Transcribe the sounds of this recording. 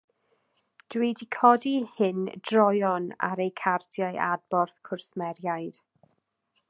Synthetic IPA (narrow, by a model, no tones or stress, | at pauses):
d̥wiːdikʰɔdihɪndrɔjɔna̰ɾejkʰardjaɨʔad̚b̥ɔrθkʰʊrsmɛɾjajd̥